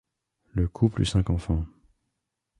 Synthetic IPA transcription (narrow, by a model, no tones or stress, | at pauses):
ləkʰuply̰sɛ̃kɑ̃fɑ̃